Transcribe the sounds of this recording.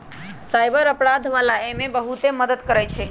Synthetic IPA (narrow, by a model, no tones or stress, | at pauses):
sajbəɾəpɾad̪ʱʋalaemebəɦut̪eməd̪əd̪kəɾɛjt͡ʃʰɛ